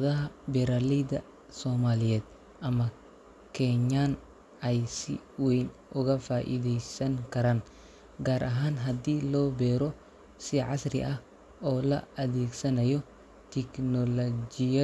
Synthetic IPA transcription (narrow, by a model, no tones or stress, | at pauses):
ɐðɐɦɐbɛɾalid̪ɐ | sɔːmaːlɪjɛːd̪̚ | ʔɐmɐ | kʰɛɲaːn | ɐjsɪ̰wɛjn | ʊɣɐfaːʔɪ̰ðɛjsɐŋkɐɾaːn | ɡaːɾʔɐɦaːnɦɐd̪iːlɔːbɛːɾɔ | sɪʕasɾɪ̰ʔɐh | ɔːlɐ̰ʔɐðiːɡsɐnɐjɔ | t̪ɪknɔlɔd͡ʒɪjɐ